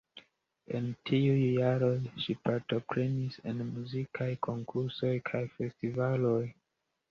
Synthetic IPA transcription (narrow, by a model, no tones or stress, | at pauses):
e̞̰ntʰiujːaɾo̞jʃipaɾto̞pɾe̞nisenmuzikʰajkʰo̞ŋkʰuɾso̞jkʰajfe̞stivalo̞j